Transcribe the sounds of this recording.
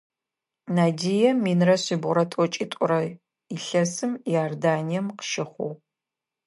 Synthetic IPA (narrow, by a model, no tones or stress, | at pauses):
naːdijɛminrɐɕibʁʊɾɐtʼɔt͡ʃʼiːtʷʼʊɾɐ | iɬɐsɨmjordaːnijɛmqə̥ʃɪχʷo̰w